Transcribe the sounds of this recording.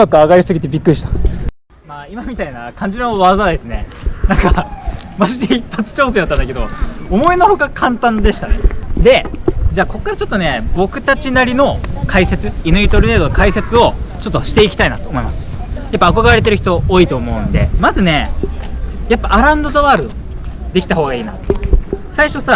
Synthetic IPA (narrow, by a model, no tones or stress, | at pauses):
makɯaɡaɾʲisɨɡʲit̪e̞bʲikːɯɾʲiɕit̪ḁ | maːimamʲit̪ainakʰãɲ̟d͡ʑinoβazad̪e̞sɨne̞nãŋkamaʑid̪eipːat͡sɨ̥t͡ɕo̞ːsed̪at̪ːãnd̪ake̞d̪o̞omo̞eno̞ho̞kakʰãnt̪ãnd̪e̞ɕi̥t̪aned̪e̞d͡ʑaːko̞kːaɾat͡ɕo̞t̪ːo̞ne̞bo̞kɯ̟t̪at͡ɕinaɾʲino̞kʰaise̞t͡sɨinɯ̟it̪oɾɯne̞ːd̪ookʰaise̞t͡sɨo̞t͡ɕo̞t̪ːo̞ɕi̥t̪e̞ikʲt̪ainat̪o̞ːmo̞imasɨ̥japːaːko̞ɡaɾe̞t̪e̞ɾɯçi̥t̪o̞oːiːt̪o̞ːmo̞ɯ̟̃nd̪e̞̰mazɨne̞ | japːaʔaɾãɯ̃nd̪ozaβaɾɯ | d̪e̞kʲi̥t̪aho̞ːɡaiːna̰t̪saiɕo̞sa